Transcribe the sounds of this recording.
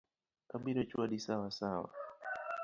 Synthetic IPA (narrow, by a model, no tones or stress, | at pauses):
kaɓiɾɛt͡ʃuaɗisawasawa̰